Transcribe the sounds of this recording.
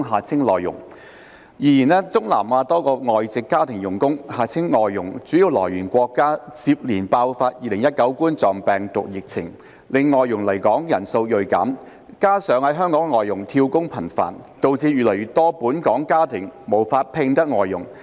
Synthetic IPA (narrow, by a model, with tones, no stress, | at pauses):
ɦaː˨t͡sʰɪ˥ŋlɔː˨jʊ̰˨˩ŋ | jiː˨˩jiː˨˩nɛː˥t͡sʊ˥ŋla̰ː˨˩mʔaː˧t̪ɔː˥kɔː˧ŋɔː˨jt͡sɪ˨kːaː˥t̪ʰɪ˨˩ŋjʊ˨˩ŋkʊ˥ŋhaː˨˩t͡sʰɪ˥ŋːɔː˨jːʊ˨˩ŋt͡syː˨˥jiː˨˧wlɔː˨˩jɥyː˨˩nkʷɔː˧kːaː˥t͡siː˧p̚liː˨˩npaː˧wfaː˧t̚jiː˨˧lɪ˨˩ŋjɐ˥t̚kɐ˨˥wkuː˥nt͡sɔː˨ŋpɛː˨ŋt̪ʊ˨k̚jɪ˨k̚t͡sʰɪ˨˩ŋ | lɪ˨˧ŋːɔː˨˧jːʊ˨˩ŋlɐ˨˩jkɔː˨˥ŋjɐ˨˩nso˧wjɵ˨˧ɥka̰ː˨˥m | kaː˥sœː˨˥ŋhɐ˨˥jɦœː˥ŋkɔː˨˥ŋːɔː˨jːʊ˨˩ŋt̪ʰiː˧wkʊ˥ŋpʰɐ˨˩nfa̰ː˨˩nt̪o˧wt͡siː˧jyː˨˩lɐ˨˩jɥy˨t̪ɔː˥puː˨˥nkɔː˨˥ŋkaː˥t̪ʰɪ˨˩ŋmo˨˩wfaː˧t̚pʰɪ˧ŋt̪ɐ˥k̚ŋɔː˨jːʊ˨˩ŋ